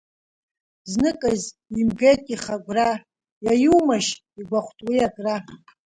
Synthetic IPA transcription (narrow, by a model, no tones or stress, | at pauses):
znɨkʼaz | imɡejtʼiχaɡʷra | jajuwmaʃ | iɡʷaχʷtʼwijakʼra